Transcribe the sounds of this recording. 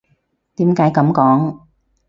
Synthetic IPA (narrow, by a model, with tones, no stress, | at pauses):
t̪iː˨˥mkaː˨˥jkɐ˨˧˥mkɔː˨˥ŋ